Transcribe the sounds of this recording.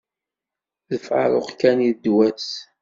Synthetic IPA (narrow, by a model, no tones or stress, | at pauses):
ðəfʕə̰ɾˤʊ̰qkæniðd̪wæs